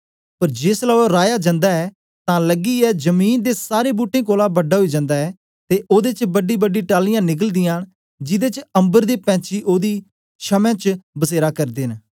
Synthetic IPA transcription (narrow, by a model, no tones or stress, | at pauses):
pəɾd͡ʒeːslaːoɾaːjaːd͡ʒãːnd̪aːɛː | t̪ãːləɡiːɛːd͡ʒəmiːnd̪eːsaːɾeːbuːʈẽːkoːlaːbəɖːaːɦoiːd͡ʒãːnd̪aːɛː | t̪eːʔoːd̪eːt͡ʃbəɖiːbəɖiːʈaːlɪjãːnɪk̬əld̪ɪjãːn | d͡ʒɪd̪eːt͡ʃə̃mbəɾd̪eːpɛ̃ːt͡ʃiːʔoːd̪iː | ʃəmɛ̃ːt͡ʃbəseːɾaːkəɾd̪eːn